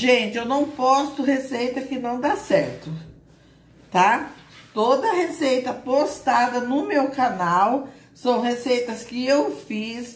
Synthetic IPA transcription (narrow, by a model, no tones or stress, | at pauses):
ʒẽnt͡ʃɪewnɐ̃w̃pɔst̪ʊhesejt̪ɐkɪnɐ̃w̃d̪asɛɾt̪ʊ | t̪at̪od̪ɐɐhesejt̪ɐpost̪ad̪ɐnʊmewkanaw | sɐ̃w̃hesejt̪ɐskɪewfis